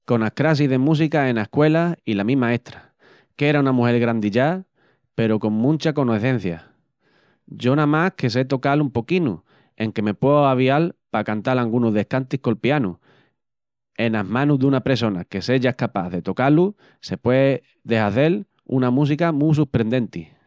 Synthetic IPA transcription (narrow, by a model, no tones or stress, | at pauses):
ko̞nakɾas̬iðe̞mus̬ikae̞naekwe̞lailamĩmae̞ht̪ɾa | ke̞ɾaunamũhe̞ɾɣɾand̪iʎa | pe̞ɾoko̞ŋmũnt͡ʃako̞noeθẽ̞n̟θja | ɟ͡ʝo̞nãmahke̞s̬e̞t̪o̞kalumpo̞kinṵ | e̞ŋke̞me̞pweoaβ̞ialpakant̪alaŋɡunoðe̞hkant̪ihko̞lpjanṵ | e̞naɦmãnuðunapɾe̞so̞nake̞se̞ʝaehkapa̰ðe̞t̪o̞kalu | se̞pwe | ðe̞saθe̞l | ṵnamus̬ikamus̬uɾpɾe̞nd̪e̞nt̪i